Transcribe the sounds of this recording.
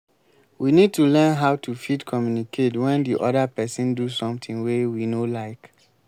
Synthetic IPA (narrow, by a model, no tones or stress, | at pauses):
winid̚tulɛ̃nɦaʊtʰufidkʰɔmjunikʰetwɛ̃ndiʔɔdapɛsĩndusɔ̃mtʰĩŋwewinolaɪk